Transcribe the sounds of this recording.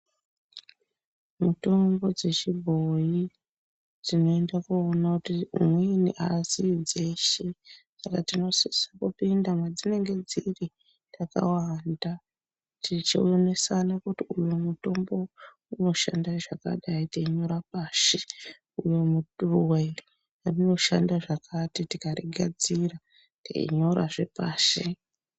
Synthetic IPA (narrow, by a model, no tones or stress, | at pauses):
muto̞mbo̞d͡ze̞t͡ʃibʱo̞ji | d͡zino̞e̞ndakuonakutimweniʔasid͡zeʃesakatino̞sisakupindamwad͡zine̞ŋɡe̞d͡ziri | taka̰wanda | tit͡ʃiujonesanakutiujumuto̞mbo̞ | uno̞ʃandaiʐaka̰ɗaiteiɲo̞ɾapaːʃe | ujomuturuweiri | rino̞ʃandaʐakʰatitikaɾḭɡʱa̰d͡zira | tḛḭɲo̞ɾa̰ʐe̞̰paːʃe